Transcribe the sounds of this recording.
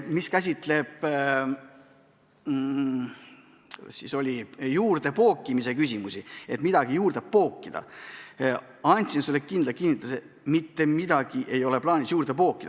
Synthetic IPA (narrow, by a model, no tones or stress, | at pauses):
miskæs̬ʲit̪ˑle̞b̥ | siso̞lʲijuːrd̪e̞po̞ːkˑːimise̞kysʲimusie̞t̪mid̪ɑɡ̥ijuːrd̪eppo̞ːkːid̪̥ɑ̰ | ɑnʲt̪sinselːe̞kind̪lɑkinːit̪ˑluse | mit̪ːe̞mid̪̥ɑɡ̥iʔe̞jo̞le̞plɑːnʲisjuːrd̪̥epo̞ːkːˑid̪̥ɑ